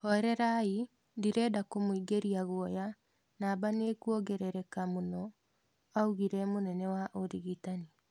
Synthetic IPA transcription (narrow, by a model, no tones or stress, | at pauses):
hɔɾɛɾai | diɾɛːdakomoiɡeɾiaɣwɔja | naːbanekuɔɡɛɾɛɾɛkamonɔ | auɣiɾɛmonɛnɛwaʔoɾiɣitani